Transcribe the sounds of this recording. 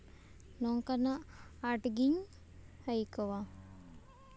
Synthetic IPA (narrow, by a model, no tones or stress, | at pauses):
noŋkanaːʈɡiɲ | hajkoʋa